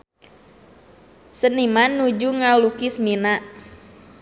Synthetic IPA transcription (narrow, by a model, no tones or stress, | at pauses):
sənimanːud͡ʒuŋalukismina